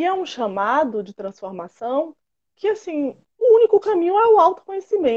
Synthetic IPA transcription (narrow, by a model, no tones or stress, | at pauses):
ɛũʃamad̪ʊd͡ʒɪt̪ɾɐ̃sfoɾmasɐ̃w̃ | kɪasĩ | ʊũnikʊkamĩɲʊ̃ɛʊawt̪ʊ̥kõɲesimẽ